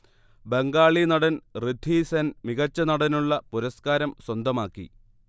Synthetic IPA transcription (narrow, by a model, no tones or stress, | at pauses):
beŋɡaːɭinɐɽɐnrɨd̪ʱisɐnmiɣɐt͡ɕːɐnɐɽɐnuɭːɐpuɾɐskaːɾɐmswɐnd̪ɐmaːkːḭ